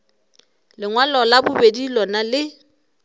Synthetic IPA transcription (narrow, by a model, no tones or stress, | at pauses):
lɪŋwalɔlabʊbedilɔnalɪ